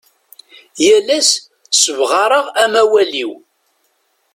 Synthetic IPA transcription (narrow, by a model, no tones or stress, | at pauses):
jælæs | səvʁɑɾˤəʁæmæwæliw